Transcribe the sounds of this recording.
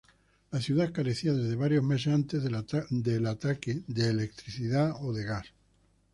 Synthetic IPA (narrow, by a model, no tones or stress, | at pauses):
laθjuðakaɾeθiaðe̞zðe̞βaɾjo̞zmes̬ant̪e̞zd̪elat̪akeðeːlek̚t̪ɾiθiðaoðeɣas